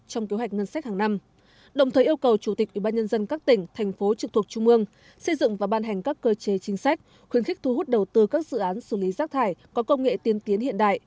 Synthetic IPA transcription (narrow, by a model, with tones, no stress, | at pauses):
t͡ɕɔ˧wŋ͡mke˨˦ɦwa˨˩k̟̚ŋə˧nsa˦˥k̚haː˨˩na˧m | ɗə˨˩wŋ͡mt̪ʰəː˨˩jʔi˧əwkə˨˩wt͡ɕu˧˩t̪ï˨˩k̚ʔwi˧˩ɓaː˧ɲə˧nzə˧nkaː˦˥k̚t̪ï˧˩ŋ̟t̪ʰɛ˨˩jŋ̟fo˨˦t͡ɕɨ˨˩t̪̚ʰt͡ɕʊ˧ŋ͡mʔɨ˧əŋ | sə˧jzɨ̰˧˨ŋvaː˨˩ɓaː˧nɦɛ˨˩ŋ̟kaː˦˥kːəː˧t͡ɕe˨˦t͡ɕï˨˦ŋ̟sa˦˥jk̟̚ | xwi˨˦ənxï˦˥k̚t̪ʰu˧ɦu˦˥t̚ɗə˨˩wt̪ɨ˧kaː˦˥k̚zɨ̰˧˨ʔaː˨˦nsɨ˧˩li˨˦zaː˦˥k̚t̪ʰaː˧˩jkɔ˨˦kə˧wŋ͡mŋḛ˧˨t̪i˧ənt̪i˨˦ənhḭ˧˨ənɗa̰ː˧˨jʔ